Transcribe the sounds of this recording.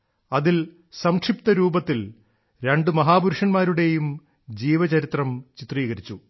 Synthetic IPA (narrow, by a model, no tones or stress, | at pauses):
ɐðil | sɐmkʂip̚t̪ɐɾuːbɐt̪ːil | ɾe̞ɳɖɨmɐɦaːbuɾuʂɐnmaːɾuɽe̞jum | d͡ʑiːʋɐt͡ɕɐɾit̪rɐmt͡ɕit̪riːɣɐɾit͡ɕːu